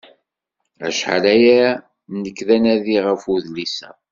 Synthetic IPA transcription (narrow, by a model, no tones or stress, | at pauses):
æ̰ʃħa̰læjæ | nəkːðænæðiʁəfuðlisæ̰